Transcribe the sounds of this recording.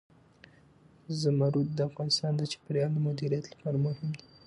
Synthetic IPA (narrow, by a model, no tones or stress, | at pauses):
zəmaɾud̪̚d̪əafɣɑnɪst̪ɑnd̪ət͡ʃɪ̥pɾjɑld̪əmʊd̪iɾijat̪lḁpɑɾamʊhɪmd̪i